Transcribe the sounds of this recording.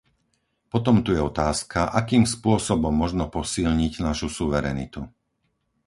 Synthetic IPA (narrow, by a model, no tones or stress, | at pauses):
pɔt̪ɔmt̪ujɛɔt̪aːskʰaʔakiːmspʊɔsɔbɔmːɔʒnɔpɔsilɲiɟnaʃusuʋɛɾɛ̰ːnḭt̪u